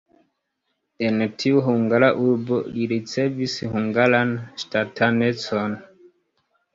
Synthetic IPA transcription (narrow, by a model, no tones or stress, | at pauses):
entʰiuɦuŋɡalaʔuɾboliɾit͡sevishuŋɡalanstatʰanet͡son